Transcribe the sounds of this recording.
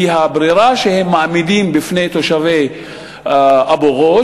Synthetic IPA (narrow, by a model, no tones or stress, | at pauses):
iɦabɾiʁaʃehemːaʕmid̪imbifnejt̪oʃavej | ʔaboʁo